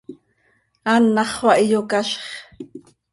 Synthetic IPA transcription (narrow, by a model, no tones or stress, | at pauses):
ɑnːɑχχwɑʔijokɑʃχ